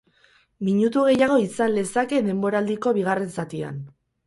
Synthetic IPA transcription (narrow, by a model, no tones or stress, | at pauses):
miɲut̪uɣ̞e̞jaɣ̞o̞isanlesake̞ðe̞mbo̞ɾaːld̪iko̞β̞iɣ̞are̞nsat̪ia̰n